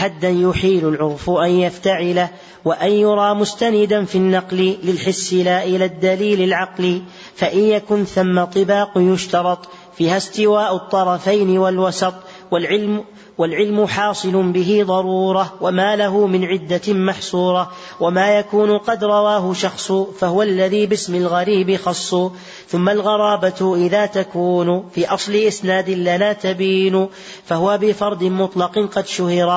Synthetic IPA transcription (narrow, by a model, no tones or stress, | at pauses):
ħad̪ːanjʊħiːlʊlʕʊɾfʔanjaft̪aʕɪla | waʔanjʊɾˤɑːmʊst̪anɪd̪anfiːnːɑqlɪlɪlħɪsːɪlaːʔɪlaːd̪ːaliːlɪlʕɑqliː | faʔɪnjakʊnθamːat̪ˤːɨbɑːqjʊʃt̪ɑɾˤɑt̪ˤ | fiːhast̪ɪwaːʔʊt̪ˤːɑɾˤɑfajnɪwalwɑsɑt̪ˤ | walʕɪl | walʕɪlmʊħɑːsˤɨlʊnbɪɦɪd̪ˤɑɾuːɾˤɑwamaːlaɦʊmɪnʕɪd̪ːamaħsˤuːɾˤɑ | wamaːjakuːnʊqɑd̪ɾˤɑwaːɦʊʃɑxsˤʊfahʊwalːaðiːbɪsmɪlɣaɾiːbɪxɑsˤːʊ | θʊmːalɣɑɾˤɑːbat̪ʔɪðaːt̪akuːnʊfiːʔɑsˤlɪʔɪsnaːd̪ɪlanaːt̪abiːnʊ | fahʊwabɪfɑɾˤd̪ɪmʊt̪ˤlɑqɪnqɑd̪ʃʊhɪɾa